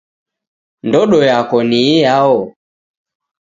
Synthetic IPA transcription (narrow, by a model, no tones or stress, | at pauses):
ndɔɗɔjakɔniːjaɔ